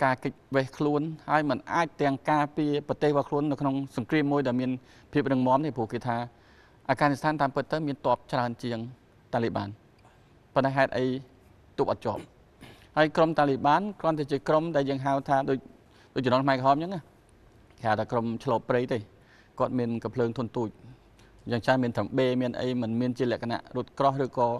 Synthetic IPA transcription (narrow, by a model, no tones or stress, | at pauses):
kaːkɨc̚ʋɛːhkʰluənhaəjmɨnʔaːc̚t̪ɛ̆əŋkaːpiəpɑt̪eːhʋɔkʰluənːɨwkʰnoŋsɑŋkriəmːuəjɗaɛlmiən | pʰiəp̚rɨŋmŏəmt̪eːpŭəhkeːt̪ʰaː | ʔaːɡaːnist̪ʰaːnt̪aːmpɨt̪ːəwmiənt̪ŏəp̚t͡ɕraənt͡ɕiəŋ | t̪aːliɓa̰ːn | pont̪aɛɦaɛt̪̚ʔəj | t̪uːp̚ʔɑt̪̚t͡ɕŏəp̚ | həəjkromt̪aːliɓaːnkrŏənt̪aɛt͡ɕiəkromɗaɛljəːŋɦawt̪ʰaːɗoːc̚ | ɗoːc̚ənoːnkʰmaɛkəɦɑːmt͡ɕəŋʔah | kehaːwt̪ʰaːkromt͡ɕʰloːpreːjt̪eː | kŏət̪̚miənkmpʰləːŋt̪ʰʊənt̪uːc̚ | jaːŋt͡ɕaːnmiənt̪ʰəmɓeːmiənʔə̰jmɨnmiənt͡ɕiəlɛ̆əkʰana̰ʔrŭət̪̚krohrɨːkɑː